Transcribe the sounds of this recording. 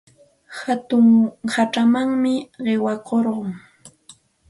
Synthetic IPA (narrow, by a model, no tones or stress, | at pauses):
hat̪ʊŋhaʈ͡ʂamaŋmɪɢɪwɑkoɾɢʊŋ